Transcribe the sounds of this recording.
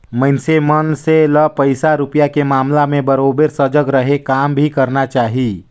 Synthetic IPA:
məɪnsemənseləpəɪsaɾʊpjakemaːmlamẽbəɾoːbeɾsəd͡ʒəɡɾəɦekaːmbʱikəɾnat͡ʃaːɦi

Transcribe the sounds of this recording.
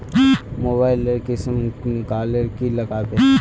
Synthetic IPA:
moːbaːɪləɾkɪsəmkaːləɾkilɐɡaːt̪e

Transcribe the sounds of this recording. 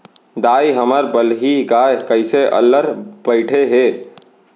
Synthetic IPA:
d̪aːiɦəməɾbəlɦiɡaːekəɪseʔə̰lːəɾbəɪʈʰeɦeː

